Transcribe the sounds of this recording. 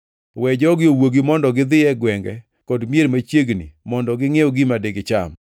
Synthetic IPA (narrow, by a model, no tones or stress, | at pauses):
wɛd͡ʒɔɡɪowoɡimɔndɔɡɪd̪ɪɛɡwɛŋɡɛ̰ | kɔdmjeɾmat͡ʃjeɡnḭmɔndɔɡɪŋeoɡimadeɡɪt͡ʃa̰m